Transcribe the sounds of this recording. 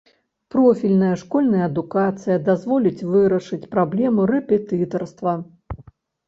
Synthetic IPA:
pɾɔfʲilʲnɐjɐʂkɔlʲnɐjɐːd̪ukat̪sɨjɐd̪azvɔlʲit͡sʲvɨɾɐʂɨt͡sʲpɾablʲɛmurɛpʲɛt̪ɨt̪ɐrst̪vɐ

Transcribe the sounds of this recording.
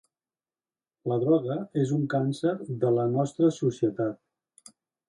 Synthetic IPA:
ləðɾɔɣəezuŋkansəɾðələnɔst̪ɾəsusiət̪at̪̚

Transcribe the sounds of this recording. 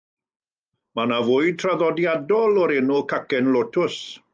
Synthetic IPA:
manavʊjd̚tʰraðɔdjadɔlˠɔɾɛnukʰakɛnlotʰʊs

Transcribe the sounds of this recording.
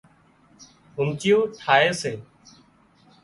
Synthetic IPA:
ɦʊmt͡ʃɪjoːʈʰaːeːseː

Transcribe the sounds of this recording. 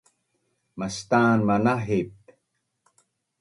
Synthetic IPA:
mast̪aːnmanaɦip̚

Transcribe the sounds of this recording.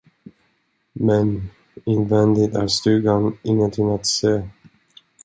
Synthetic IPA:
mɛn | ɪnvɛnd̪ɪt̪æ̰ɾst̪ʉ̟ːɡanɪŋːənt̪ʰɪŋat̪seː

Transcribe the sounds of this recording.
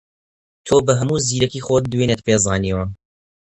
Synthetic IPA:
t̪ʰoːbəɦɐmuːziːɾɐkiːxoːt̪̚d̪weːnet̪̚pʰeːzˤɑːniwən

